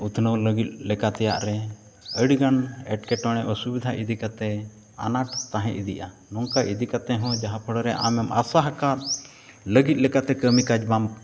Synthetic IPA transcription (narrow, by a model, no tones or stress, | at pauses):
ut̪ʰnəwləɡit̪̚ˀlɛkat̪ɛja̰ʔɾɛ | əɽɡanɛʈkɛʈɔɽ̃ɛʔɔsubid̪ʱaʔid̪ikat̪ɛ | a̰naʈt̪aɦɛ̃ʔid̪ḭʔa | nɔŋkaʔid̪ikat̪ɛɦɔ̃d͡ʒaɦapʰəɽɔɾɛʔa̰mɛmʔa̰saɦakat̪ | ləɡit̪̚lɛkat̪ɛkəmikad͡ʒbam